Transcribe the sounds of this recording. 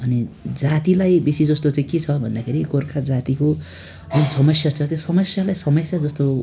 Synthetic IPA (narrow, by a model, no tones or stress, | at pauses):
ʌnid͡zat̪ilajbisid͡zʌst̪ot͡sãĩket͡sʰʌbʱʌnd̪akʰeɾikorkʰad͡zat̪iko | ʌnsʌmʌsjat͡sʰʌt̪josʌmʌsjalajsʌmʌsjad͡zʌst̪o